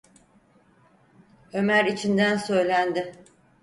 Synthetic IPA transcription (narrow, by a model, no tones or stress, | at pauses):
ø̞mæɾit͡ʃʰind̪ænsø̞jlʲænd̪ɪ